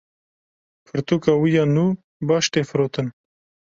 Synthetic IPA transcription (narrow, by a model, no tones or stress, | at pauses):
pʰɨɾt̪ukawijanu | bɑʃʈ̪efɾot̪ən